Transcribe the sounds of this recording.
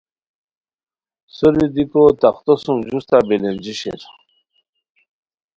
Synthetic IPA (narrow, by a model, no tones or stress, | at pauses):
soɾid̪ikot̪aqt̪osumʑust̪abelend͡ʑiɕḛɾ